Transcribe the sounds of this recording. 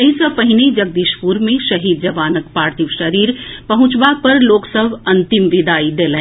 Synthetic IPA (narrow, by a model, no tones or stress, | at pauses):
ɐɦisəpɐɦɪned͡ʒɐɡ̚d̪iːʃpuɾmẽʃɐɦiːd̪̚d͡ʒɐʋaːnəkpaːɾt̪iʋʃəɾiːɾpɐɦʊ̃t͡ʃbapɐɾloːksəbʱɐ̃nt̪ɪmʋɪd̪aːid̪eːlẽ